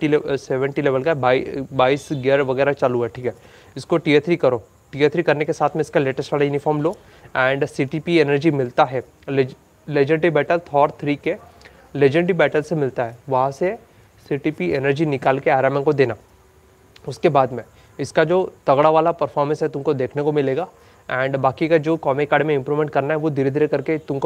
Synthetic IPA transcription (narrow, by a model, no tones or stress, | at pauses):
ʈiseːʋə̃ɳʈileːʋəlkaɛbaːibaːisɡeɾʋɐɡɛːɾat͡ʃaluɛːʈʰiːkɦɛː | ɪskoʈiet̪ʰɾikɐɾoː | ʈiet̪ʰɾikɐɾnekesaːt̪ʰmẽɪskaleːʈəsʈʋaːlajuːnɪfʰɔːɾmloː | ɛ̃ːɳɖsiːʈiːpienəɾd͡ʒimɪlt̪aɦɛ | leːd͡ʒə̃ɳʈibɛːʈəlt̪ʰɔːɾt̪ʰɾiːke | leːd͡ʒə̃ɳʈibɛːʈəlsemɪlt̪aɦɛːʋɐɦãse | siːʈiːpienəɾd͡ʒinɪkaːlkeaːɾaːmɛ̃nkod̪eːnaː | ʊskebaːd̪mẽ | ɪskad͡ʒoːt̪ɐɡɽaʋaːlapɐɾfʰɔːɾmə̃nsɦɛt̪ʊmkod̪eːkʰnekomɪleːɡaː | ɛ̃ːɳɖbaːkikad͡ʒoːkɔːmekaːɖmẽɪ̃mpɾuːmẽɳʈ̚kɐɾnaɦɛʋod̪ʱiːɾed̪ʱiɾekɐɾket̪ʊmko